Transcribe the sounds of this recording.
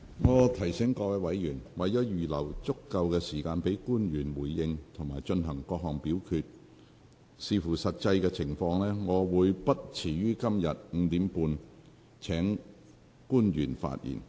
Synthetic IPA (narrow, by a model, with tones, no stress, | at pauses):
ŋɔː˨˧t̪ʰɐ˨˩jsɪ˨˥ŋkɔː˧wɛ˧wɐ˨˥jjyː˨˩nwɐ˨˩jjɔː˨˥jyː˨˩lɐ˨˩wt͡sʊ˥kːɐ˧wkɛː˧siː˨˩kaː˧npe˨˥jkuː˥njyː˨˩nwuː˨˩jːɪ˧ŋt̪ʰʊ˨˩ŋmaː˨˩jt͡ʃɵ˧nɦɐ˨˩ŋkɔː˧k̚ɦɔ˨˩ŋpiː˨˥wkʰyː˧t̚ | siː˧fuː˨˩sɐ˨t̚t͡sɐ˧jkɛː˧t͡sʰɪ˨˩ŋfɔː˧ŋlɛː˥ŋɔː˨˧wuː˨˧jpɐ˥t̚t͡sʰiː˨˩ɥyː˥kɐ˥mjɐ˨t̚ŋ̩˨˧t̪iː˨˥mpuː˧n | t͡sʰɛː˨˥ŋ | kuː˥njyː˨˩nfa̰ː˧t̚jʔḭː˨˩n